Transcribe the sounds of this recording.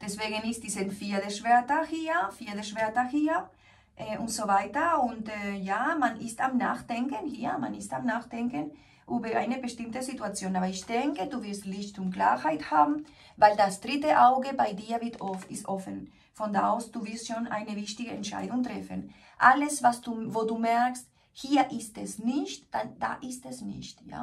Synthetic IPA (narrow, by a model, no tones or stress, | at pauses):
d̥ɛsv̥eːɡənɪst̚d̥isanfiːɐdɛʃvɛɐtɐhiːɐfiːɐdəʃv̥ɛɐtɐhiːɐ | ʔɛʔʊntz̥ovaɪtɐʊntɛjaːmanʔɪstamna̰ːxd̥ɛŋkənhiːɐma̰nɪstamnaːxd̥ɛŋkən | ʔuːbəʔa̰ɪnəbəʃtɪmtəzituat͡sjoːnaːbɐɪçd̥ɛŋkəduːvɪɾstlɪçtʊnt̚kla̰ːhaɪthaːbm̩ | vaɪldasd̥ʁɪtəʔaʊɡəbaɪdiːɐvɪtɔfɪstʔɔfən | fɔndaaʊsd̥uːvɪɐstʃoːnʔa̰ɪnəvɪçtɪɡəɛntt͡ʃʃa̰ɪdʊŋtʁɛfə̰n | ʔaləsvasd̥uvoːduːmɛɐkst | hiːɐʔɪstɛsnɪçtd̥ad̥a̰ːʔɪstɛsnɪ̰çtja̰ː